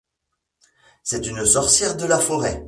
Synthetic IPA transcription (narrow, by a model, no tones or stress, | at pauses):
sɛt̪ynsɔʁsjɛʁd̪əlafɔʁɛ